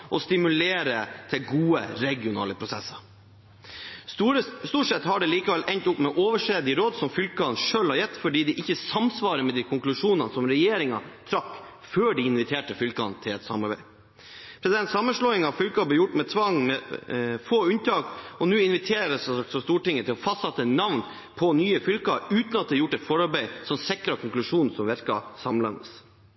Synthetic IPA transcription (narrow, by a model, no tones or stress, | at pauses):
ʔɔst̪ɪmʉleːɾət̪ʰɪlɡuːə̰ɾɛɡɪʊnɑ̰ːləpʰɾʊsɛ̰sːɑɾ | st̪uːʈʂɛt̪hɑɖɛliːkɑʋɛlʔɛɲt̪ʊpːmɛʔoːʋəʂeːd̪ɪɾoːd̪sɔmfʏlkɑnʂøːlhɑɾjɛt̪ːfɔɖiːd̪ɛʔɪçːəsɑmsʋɑːɾəmɛd̪ikʰʊŋklʉʂuːnɑnəsɔmɾɛjeːɾɪŋɑ̰t̪ʰɾɑkː | føːɖiɪnʋɪt̪ʰeːʈəfʏlkɑ̰nt̪ʰɪlɛt̪sɑ̰mɑɾbæ̰ɪ | pʰɾɛsɪd̪ɛnt̪sɑmːənʂɭɔːɪŋɑʋfʏlkɑb̪əjʊʈːmɛt̪ʰʋɑŋːmɛfoːʉnt̪ʰɑːkɔnʉːɪnʋɪt̪ʰeːɾəsɑk̪sɔst̪uːʈɪŋːət̪ʰɪlɔfɑst̪sɑt̪ːəɛnɑʋn | pʰɔnyːəfʏlkɑʉːt̪nɑt̪̚ɛjʊʈːɛt̪fɔɾɑɾbæɪsɔmsɛkɾɑkʰʊŋklʉʂuːnn̩sɔmʋæɾkɑ̰sɑmlɑnə̰s